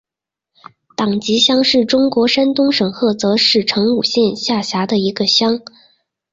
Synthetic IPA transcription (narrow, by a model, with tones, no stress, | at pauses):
t̪ɑ˨˩ŋt͡ɕi˧˥ɕjɑ˥ŋʂɻ̩˥˩ʈ͡ʂʊ˥ŋkwɔ˧˥ʂa˥nt̪ʊ˥ŋʂɤ˨˩ŋxɤ˥˩t͡sɤ˧˥ʂɻ̩˥˩ʈ͡ʂʰɤ˧˥ŋu˨˩ɕjɛ˥˧nɕja˥˩ɕja˧˥d̪ə˧i˧˥ɡə˧ɕjɑ˥ŋ